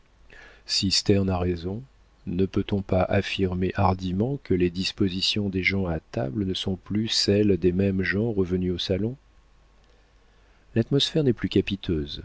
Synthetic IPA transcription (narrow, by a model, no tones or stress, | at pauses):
sist̪ɛʁnaʁezɔ̃ | nəpøt̪ɔ̃paʔafiʁmeʔaʁd̪imɑ̃kʰəled̪ispozisjɔ̃d̪eʒɑ̃at̪a̰blənəsɔ̃plysɛld̪emɛmʒɑ̃ʁəvənyosalɔ̃ | lat̪mɔsfɛʁnɛplykʲapit̪ʰøːz